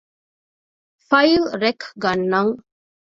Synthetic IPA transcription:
fɐjlɾekʰɡɐnːɐŋ

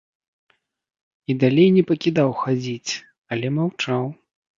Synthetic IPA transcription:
id̪alʲejnʲɛpɐkʲid̪awxad͡zʲit͡sʲ | ɐlʲɛmawt͡ʂaw

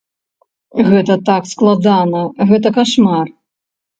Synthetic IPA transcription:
ɣɛt̪ɐt̪aksklˠad̪anɐɣɛt̪ɐkaʂmar

